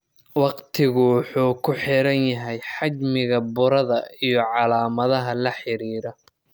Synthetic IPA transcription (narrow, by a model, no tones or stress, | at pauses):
wɑqt̪ʰɪɣʊwʊħuːkʰʊħɪɾɐnjɐɦɛjħɑd͡ʒmɪɣɐbʊɾɐðɐijɔʕɑlaːmɐðɐɦɐlɐħɪɾiːɾɔ